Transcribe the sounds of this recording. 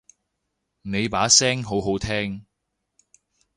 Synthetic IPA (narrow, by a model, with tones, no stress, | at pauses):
ne˨˧jpaː˨˥sɛː˥ŋɦo˨˥wɦo˨˥wt̪ʰɛː˥ŋ